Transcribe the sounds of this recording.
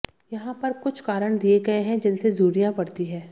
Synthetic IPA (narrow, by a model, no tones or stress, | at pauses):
jɐɦãpɐɾkʊt͡ʃʰkaːɾəɽ̃d̪ieɡɐeɦɛ̃d͡ʒɪnsezuːɾijãpɐɽt̪iɦɛ̃ː